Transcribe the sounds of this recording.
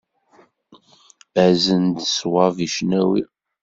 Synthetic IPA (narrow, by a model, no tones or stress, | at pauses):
æzənd̪swɑviʃnæwi